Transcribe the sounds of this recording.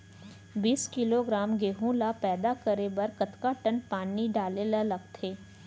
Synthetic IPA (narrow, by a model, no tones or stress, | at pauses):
biːskɪloɡɾaːmɡeːɦõlapɛːd̪akəɾebɐɾkɐt̪kaʈənpaːniɖaːlelalɐɡt̪ʰeː